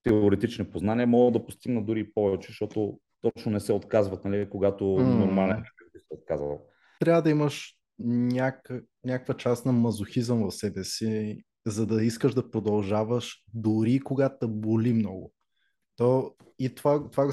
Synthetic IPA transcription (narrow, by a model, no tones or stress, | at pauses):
t̪ɛooɾɛt̪it͡ʃnipoznanʲiəmɔɡˠd̪ɐpost̪iɡnəd̪uɾipɔvɛt͡ʃɛ̥ʃt̪ɔt̪o | t̪ɔt͡ʃnonɛsɛot̪kazvɐt̪nɐlikoɡat̪onoɾmalɛnkɐk̪ivbisɛot̪̚kazvɐ̰lˠ | t̪ɾʲavəd̪ɐiməʃ | nʲakə | nʲakəkvət͡ʃast̪nɐmɐzʊxizəmvɐfsɛbɛsi | zɐd̪ɐiskəʒd̪ɐpɾod̪ɐlˠʒavəʃd̪ʊɾikoɡat̪d̪ɐbolimnɔɡʊ | t̪o | it̪ovat̪ova